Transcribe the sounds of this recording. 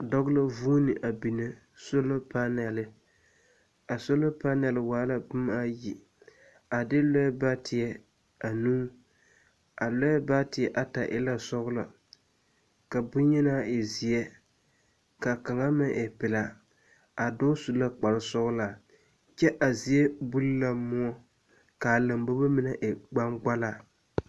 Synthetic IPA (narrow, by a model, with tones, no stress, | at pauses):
dɔ˦ɣla˦vu˦nɪ˨ʔa˨bi˨ne˨ | so˦la˦pa˦nɛ˨lɪ˦ | a˨so˦la˦pa˦nɛ˨lɪ˨waː˨˦la˨bʊ˦m˦a˦ji˨ | a˨dɪ˦lɔ˦ɛ˦ba˦tʰɪ˨ɛ˦ | a˨nuː˦ | a˨lɔ˦jɛ˦ba˦tɪ˨ɛ˨ʔa˨ta˨ʔɪ̰˦la˦sɔ˦ɣla̰˨ | ka˨bʊ˦ɲɛ˦na˦˨ɪ˨zɪ˨jɛ˦ | ka˨ka˨ŋa˦mɪ˦ʔɛ˨pɪ˨la˨ | a˨dɔ˦su˨la˦k͡pa˨lɪ˦sɔ˦ɣla˨ | t͡ʃɛ˦ʔa˨zi˨ɛ˦bu˦lla˦mʊ˦ɔ˦ | ka˨la˨mbo˦ba˦mɪ˦nɛ˦˨ʔɪ˨ɡ͡ba˦ŋɡ͡ba˦la˦˨